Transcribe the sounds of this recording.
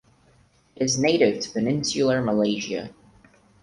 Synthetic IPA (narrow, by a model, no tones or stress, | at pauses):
ʔɪɪzneɪɾɪv̥tʰə̥pɨnɪ̃nsjl̩ˠəməleɪʒə̰